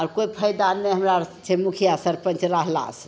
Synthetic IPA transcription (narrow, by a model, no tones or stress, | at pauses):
ɔɾkojpʰəjd̪anmeɦəmɾat͡ʃʰɛmukʰijasəɾpə̃nt͡ʃɾəɦla̰s